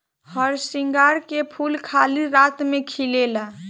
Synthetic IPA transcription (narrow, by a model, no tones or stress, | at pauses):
həɾsĩŋɡaɾkepʰulkʰaliɾat̪mẽkʰilela